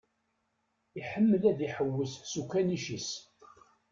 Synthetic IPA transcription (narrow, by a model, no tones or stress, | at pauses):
iħəmːəlæðiħəwːəssukːæniʃis